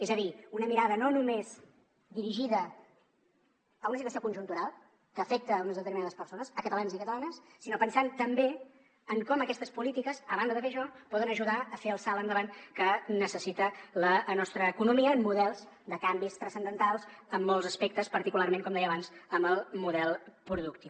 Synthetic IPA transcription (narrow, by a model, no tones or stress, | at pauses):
ezəðiunəmiɾaðənonumez | d̪iɾiʒiðə | əunəsit̪wəsjokunʲʒunt̪uɾalˠ | kəːfek̚t̪əːunəzðət̪ərminaðəspəɾsonəsəkət̪əlanzikət̪əlanəsːinopənsant̪əmbe | əŋkɔməkɛst̪əspulit̪ikəzəβand̪əðəfeʃɔpɔðənəʒuðaəfeəlˠsalˠənd̪əβankənəsəsit̪ələnɔst̪ɾəːkunumiəːmːuðɛlˠz | d̪əkambist̪ɾəsənd̪ənt̪alˠzəmːɔlˠzəspek̚t̪əspəɾt̪ikularmeŋkɔmd̪ɛjəːβanzəmbəlˠmuðɛlˠpɾuðukt̪i